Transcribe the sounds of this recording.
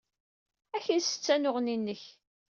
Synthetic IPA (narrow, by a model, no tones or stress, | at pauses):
æçənsə̥t͡sːænʊʁninːəç